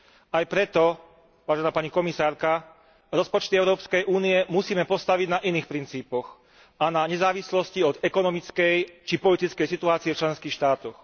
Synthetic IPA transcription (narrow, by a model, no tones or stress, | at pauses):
ajpɾɛt̪ɔ | ʋaːʒɛnaːpaɲikɔmisaːɾka | ɾɔspɔt͡ʃt̪iɛʊɾɔːpskɛjʔuːniɛmusiːmɛpɔst̪aʋiɟnaʔiniːxpɾint͡siːpɔx | ʔanaɲɛzaːʋislɔsciɔd̪ɛkɔnɔmit͡skɛjt͡ʃipɔlit̪it͡skɛjsit̪uaːt͡siɛft͡ʃlɛnskiːxʃt̪aːt̪ɔx